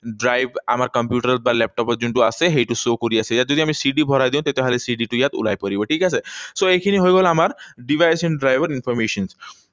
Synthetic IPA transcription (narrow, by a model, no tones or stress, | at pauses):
ɖɾajʋa̰m̤aɾkəmpjuʈəɾ̚baɾlɛp̚ʈɔpəd͡ʑuɳʈuaseɦeʈusokuɾiːasejjat̪̚d͡zod̪ʱiamiːsiɖiːbʱɔɾajd̪ẽũt̪et̪ʰeɦalesiɖiʈujat̪ṵla̰jpəɾibəʈʰiːkas̬esoekʰiniɦojɡolaamaɾɖiʋajsɛɳɖɾajʋəɾinfɔɾmeɕəns